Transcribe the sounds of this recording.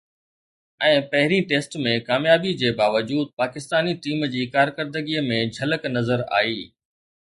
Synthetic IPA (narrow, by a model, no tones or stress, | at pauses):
ɛ̃ːpɐɦɪɾĩʈeːsʈmẽkaːmjaːbid͡ʑeːbaːʋəd͡ʑuːd̪̚paːkɪst̪aːniʈiːmd͡ʑiːkaːɾkəɾd̪əɡiːəmẽd͡ʑʱɐləknɐzəɾa̰ːiː